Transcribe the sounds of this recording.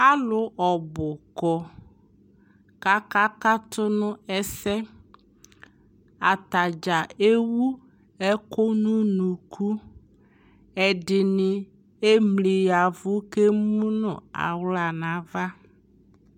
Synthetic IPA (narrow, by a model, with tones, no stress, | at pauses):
a˦lʊ˨ʔɔ˨bʊ˨kɔ˨ | ka˦ka˦ka˦t̪ʰʊ˦nʊ̃˦ɛ˦sɛ˦ | a˨t̪a˨d͡ʒa˨e˦wu˦ | ɛ˦ko˦nũ˦nũ˨kʰu˦ | ɛ˨dɪ˨nɪ˨ | e˦mli˨ja˨vʊ˦ke˦mũ˦nʊ̰˨a̰˨wla˨nã˨˦va˦